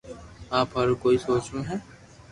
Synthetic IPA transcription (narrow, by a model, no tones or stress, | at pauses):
aːpɐɾkoːisoːt͡ʃnaɦɛː